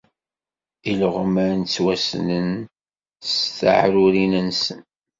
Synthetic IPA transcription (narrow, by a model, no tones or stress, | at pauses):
ilʁəməɾnt͡sːwæsnən | sθa̰ʕɾʊɾinənsən